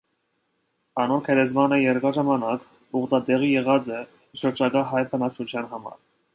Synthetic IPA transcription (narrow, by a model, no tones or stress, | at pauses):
ɑnɔɾkʰɛɾɛzmɑnəjɛɾkɑʒɑmɑnɑk | uʁd̪ɑd̪ɛʁijɛʁɑt͡sɛ | ʃəɾd͡ʒɑkɑɦɑjpʰənɑkt͡ʃʰut͡ʃʰjɑnɦɑmɑ̰ɾ